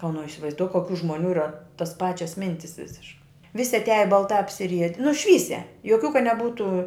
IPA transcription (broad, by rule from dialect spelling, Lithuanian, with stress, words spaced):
oː nʊ ɪsʲɪʋɐɪzˈduɔk koːˈkʲuː ʒmoːˈnʲuː ˈiːrɐ toːs ˈpɑːt͡ʃʲɛs ˈmʲɪnʲtʲɪs ˈʋʲɪsʲɪʃkɐɪ ˈʋʲɪsʲɪ ɐtʲˈæːjɛ bɐlˠˈtɑː ɐpʲsʲɪˈrʲiɛdʲɪ nʊ ˈʃʲʋʲiːsʲɛ joːˈkʲuː kɐ nʲɛˈbuːtʊ